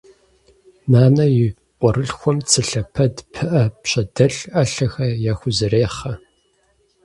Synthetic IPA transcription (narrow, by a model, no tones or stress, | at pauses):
naːnɐjɪ | qʷʼɔɾɨɬxʷɔmt͡sʰɨɬɐpʰɐdpʰɨʔɐpɕɐdɐɬɐɬɐxɐjaːxʷʊzɨreːχɐ